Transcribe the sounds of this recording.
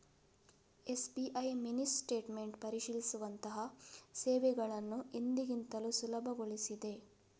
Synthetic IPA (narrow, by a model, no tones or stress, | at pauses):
e̞sbiʔɐjminisʈe̞ːʈme̞ɳʈpɐɾiʃilisuʋɐnt̪ɐɦɐseːʋɛɡɐɭɐnːuind̪iɡint̪ɐlusulɐbʱɐɡoɭisid̪e̞